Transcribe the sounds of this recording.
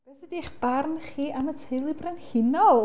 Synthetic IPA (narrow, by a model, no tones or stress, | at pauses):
ɛθədiχb̥arnχiːʔamətʰeɨlˠɨbrɛnhɪnɔlˠ